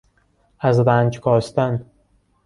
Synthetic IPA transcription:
æzɾæːnd͡ʒkʰɒːst̪æn

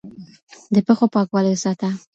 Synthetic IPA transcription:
d̪əpəxopɑkwɑlsɑt̪a

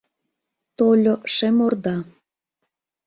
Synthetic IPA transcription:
t̪olʲoʃemord̪ɑ

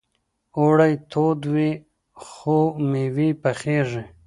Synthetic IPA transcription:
oɽajt̪ʰod̪wi | xomiwipaχeʐe

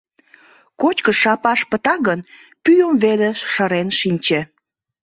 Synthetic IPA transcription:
kot͡ɕkəʃɑpɑʃpət̪ɑɣən | pyjəmβeleʃəɾenʃinʲt͡ɕe

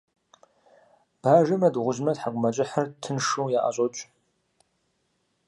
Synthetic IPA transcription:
b̥aːʒɨmɐdʁʷʊʒmɐdħaqʷʊmɐt͡ʃʼɪħɐrtʰɨnʂuwjaːʔa̰ɕʼot͡ʃʷʼ

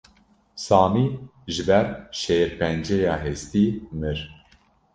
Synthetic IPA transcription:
sɑːmiːʒɨbɛɾʃeɾpɛnd͡ʒejɑːɦest̪iːmɨɾ

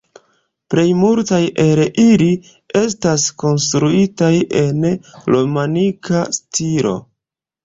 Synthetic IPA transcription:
ple̞jmultajʔeɾeʔili | e̞stasko̞nstɾuitaje̞nlomanikʰastilo̞̰

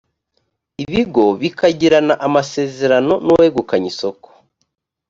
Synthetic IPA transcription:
iβiɡo̞βikaɟiɾanaʔamase̞ːze̞ɾano̞nuwweeɡukaɲisoko̥

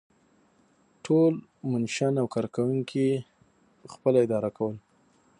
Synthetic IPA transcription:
ʈʰolmʊnʃanawkɑɾkawuŋkʰi | xpəlaɪd̪ɑɾakʰawəl

